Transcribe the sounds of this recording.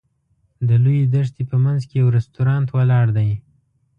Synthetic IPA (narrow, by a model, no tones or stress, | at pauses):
d̪əlujed̪aʂt̪epəmanzkejawɾɛst̪uɾɑnt̪walɑɽd̪aj